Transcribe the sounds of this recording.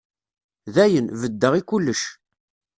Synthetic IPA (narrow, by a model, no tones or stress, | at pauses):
ðæjənvəd̪ːəʁikulːəʃ